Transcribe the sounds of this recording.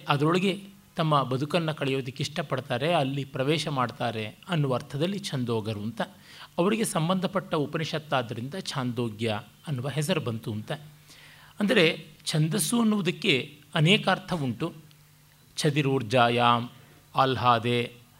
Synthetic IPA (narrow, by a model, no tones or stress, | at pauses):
ɐd̪ɐɾoɭɐɡe̞ | t̪ɐmːɐbɐd̪ʱukɐnːɐkɐɭɛjoːd̪ɐkːeiʂʈɐpɐɽt̪aːɾe̞ɐlːipɾɐʋɛːʃɐmaːɖt̪aːɾe̞ɐnːuʋɐːɾt̪ʰɐd̪ɐlːit͡ʃʰɐnd̪oːɡɐɾunt̪ɐ | ɐʋɐɾiɡe̞sɐmbɐnd̪ʱɐpɐʈːɐupɐniʃɐt̪ːaːd̪ɐɾind̪ɐt͡ʃʰaːnd̪oːɡjɐ | ɐnːuʋɐɦɛs̬ɐɾubɐnt̪uɐnt̪ɐ | ɐnd̪ɐɾet͡ʃʰɐnd̪ɐsuɐnːuʋud̪ɐkːe̞ɐnɛːkɐːɾt̪ʰɐʋuɳʈu | t͡ʃʰɐd̪iɾuːɾd͡ʒaːjaːm | aːlɦaːd̪eː